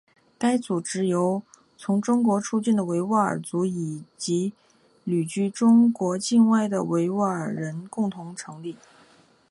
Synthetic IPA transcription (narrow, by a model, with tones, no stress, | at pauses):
ka˥ɪt͡su˨˩ʈ͡ʂɻ̩˧˥jo˧˥ʊ | t͡sʰʊ˧˥ŋʈ͡ʂʊ˥ŋkwɔ˧˥ʈ͡ʂʰu˥˧t͡ɕi˥˩nd̪ə˩we˧˥ɪwa˥˩ə̰˨˩t͡su˧˥i˨˩t͡ɕi˧˥ | ly˨˩t͡ɕy˥˩ʈ͡ʂʊ˥ŋkwɔ˧˥t͡ɕi˥˧nwa˥˩ɪd̪ə̰˩we˧˥ɪwa˥˩ə˨˩ɻə˧˥nkʊ˥˩ŋt̪ʰʊ˧˥ŋʈ͡ʂʰɤ˧˥ŋli˥˩